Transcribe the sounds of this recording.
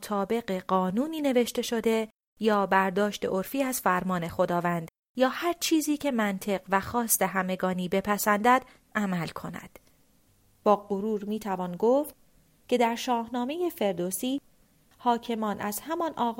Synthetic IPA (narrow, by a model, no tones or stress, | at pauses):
t̪ʰɒːbe̞ɢe̞ɢɒːnuːniːne̞ve̞ʃt̪e̞ʃo̞d̪e̞ | jɒːbæɾd̪ɒːʃt̪e̞ʔo̞ɾfiːæzfæɾmɒːne̞xo̞d̪ɒːvænd̪̥ | jɒːhæɾt͡ʃʰiːziːcʰe̞mænt̪ʰe̞ɢvæxɒːst̪e̞ɦæme̞ɡɒːniːbe̞pʰæsænd̪æd̪̥ | ʔæmælkʰo̞næ̰d̪̥ | b̥ɒːɢoɾuːɾmiːt̪ʰævɒnɡoft̪̚ | cʰe̞d̪æɾʃɒːhnɒːme̞je̞fe̞ɾd̪osiː | hɒːcʰe̞mɒːnʔæzhæmɒnʔɒː